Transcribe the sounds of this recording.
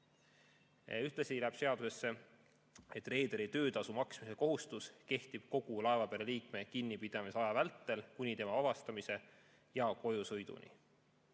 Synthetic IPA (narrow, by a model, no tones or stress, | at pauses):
yht̪lesilæb̥se̞ɑd̪use̞sːe̞ | et̪ːˑre̞ːd̪̥eɾit̪ø̞ːd̪ɑsumɑksmise̞ko̞ɦust̪uske̞ht̪ib̥̚ko̞ɡ̥ulɑe̞vɑpeɾeliːkme̞kinːipid̪̥ɑmisɑjɑvælt̪ˑːe̞lkunʲit̪emɑɑvɑst̪ɑmise̞ | jɑko̞jusɤjd̪̥ṵnḭ